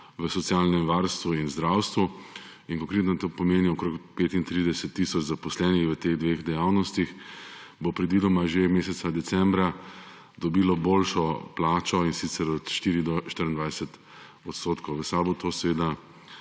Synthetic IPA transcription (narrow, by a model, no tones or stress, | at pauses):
ʋəsɔt̪sjalnɛmʋaɾst̪ʋuinzd̪ɾawst̪ʋu | inkɔ̃ŋkɾeːt̪nɔt̪opɔmeːniɔkɾokpeːt̪int̪ɾid̪ɛsɛt̪ːisɔt͡ʃzapɔslɛːnixʋət̪eɣd̪ʋeɣd̪ɛjawnɔst̪ixbopɾɛd̪ʋiːd̪ɔmaʒemeːsɛt̪sad̪ɛsɛmbɾa | d̪ɔbiːlɔboːlʃɔplaːt͡ʃɔinsit̪sɛɾɔt̪ʃt̪iːɾid̪ɔʃt̪iɾnd̪ʋajsɛt̪ | ɔt̪st̪oːt̪kɔwʋəsaːbot̪osɛʋeːd̪a